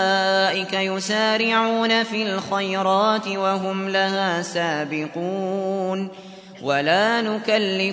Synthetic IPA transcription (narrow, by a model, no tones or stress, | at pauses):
ʔɪkajʊsaːɾɪʕuːnafiːlxajɾˤɑːt̪ɪwaɦʊmlahaːsaːbɪquːn | walaːnʊkalːɪ